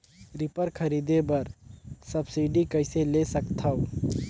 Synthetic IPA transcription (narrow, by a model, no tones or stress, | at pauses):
ɾɪpəɾkʰɐɾiːd̪ebɐɾsɐbsiːɖikɐɪselesəkt̪ʰao